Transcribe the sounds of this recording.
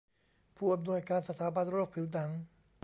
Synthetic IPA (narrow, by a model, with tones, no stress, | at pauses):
pʰuː˥˩ʔa˧mnu˧˩əjkaː˧nsa˧t̪ʰaː˩˦ba˧nɾoː˥˩k̚pʰi˩˦wd̪a˩˦ŋ